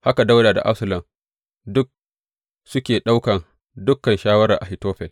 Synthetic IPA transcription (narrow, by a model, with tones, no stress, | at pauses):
ha˦ka˨da˦wdaː˨da̰˨ʔa˦bsɐ˨lɐ˨m | dʊ˦k̚ | sʊ˦kʲeː˨ɗa˦wkɐ˨n | dʊ˦kːɐ˨nʃaː˦wɐ˦ɾa˨ʔa˨hi˨toː˦ɸɛ˨l